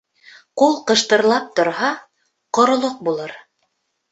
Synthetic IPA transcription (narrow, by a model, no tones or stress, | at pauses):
qulˠqɤ̆ʃt̪ɤ̆ɾlˠɑp̚t̪ŏɾhɑ | qŏɾŏlˠoq̚bulˠɤɾ